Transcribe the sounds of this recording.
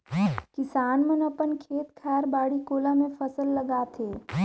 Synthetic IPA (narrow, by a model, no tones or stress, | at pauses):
kɪsaːnmənəpənkʰeːt̪kʰɛːɾbaːɽikoːlãmẽfəsəlːəɡaːt̪ʰeː